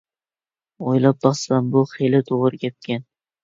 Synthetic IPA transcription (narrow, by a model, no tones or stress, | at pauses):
ojlˠap̚d̪ɒsambʊχelɪt̪ʰoʁɾɪkʲap̚kʲʰan